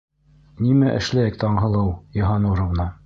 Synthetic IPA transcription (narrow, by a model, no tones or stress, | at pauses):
nimæʔɘ̆ʃlæjɘk̚t̪ɑɴɦɤ̆lˠɤwjɤ̆ɦɑnuɾɤ̆vnɑ